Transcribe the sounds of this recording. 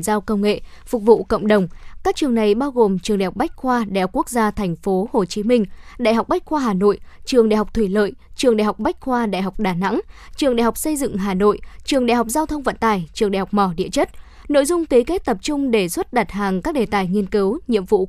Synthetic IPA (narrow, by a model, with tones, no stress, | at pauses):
nzaː˧wkə˧wŋ͡mŋḛ˧˨ | fʊ˨˩k͡p̚vṵ˧˨kə̰˧˨ŋ͡mɗə˨˩wŋ͡mkaː˦˥k̚t͡ɕɨ˨˩əŋna˨˩jɓaː˧wɣo˨˩mt͡ɕɨ˨˩ŋa˨˩hk͡p̚ɓa˦˥jk̟̚xwaː˧ɗa˧˨hk͡pku˦˥ək̚zaː˧t̪ʰɛ˨˩jŋ̟fo˨˦ho˨˩t͡ɕi˨˦mï˧ŋ̟ɗa̰˧˨jɦa˨˩k͡p̚ɓa˦˥jk̚xwaː˧ɦaː˨˩no̰˧˨jt͡ɕɨ˨˩əŋɗa̰˧˨jɦa˨˩k͡p̚t̪ʰwi˧˩lə̰ː˧˨jt͡ɕɨ˨˩əŋɗa̰˧˨jɦa˨˩wk͡p̚ɓa˦˥jk̟̚xwaː˧ɗa̰˧˨jɦa˨˩wk͡p̚ɗaː˧˩na̰˧˥ŋt͡ɕɨ˨˩əŋɗa̰˧˨jɦwk͡p̚sə˧jzɨ̰˧˨ŋɦaː˨˩no̰˧˨jt͡ɕɨ˨˩əŋɗa̰˧˨jɦa˨˩wk͡p̚zaː˧wt̪ʰə˧wŋ͡mvə̰˧˨nt̪aː˨˩jt͡ɕɨ˨˩əŋɗa̰˧˩hk͡p̚mɔ˧˩ɗḭ˧ət͡ɕə˦˥t̚ | no̰˧˨jzʊ˧ŋ͡mt̪e˨˦ke˦˥t̚t̪ə˨˩p̚t͡ɕʊ˧ŋ͡mɗe˧˩swə˦˥t̚ɗa˨˩t̚ɦaː˨˩ŋkaː˦˥k̚ɗe˨˩t̪aː˨˩jŋi˧ənkɨ˨˦wɲḭ˧˨əmvṵ˧˨